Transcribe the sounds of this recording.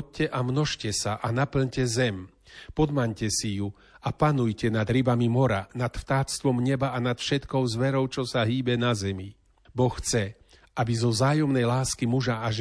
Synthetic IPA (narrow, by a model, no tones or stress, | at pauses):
cːɛʔamnɔʃcɛsaʔanapl̩ɲcɛzɛm | pɔd̪maɲcɛsiju | apanujcɛnad̪ɾibamimɔɾanat̪ft̪aːt͡st̪ʋɔmɲɛbaanat̪fʃɛt̪kɔʊzʋɛɾɔʊt͡ʃɔsaɦiːbɛnazɛmi | bɔxxt͡sɛ | ʔabizɔzaːjɔmnɛjlaːskimuʒaaʒ